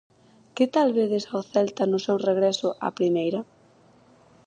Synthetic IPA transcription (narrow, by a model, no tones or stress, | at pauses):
kɪt̪alβeðesoθɛlt̪ɐnʊsewreɣɾɛsʊʔa̰pɾimejɾɐ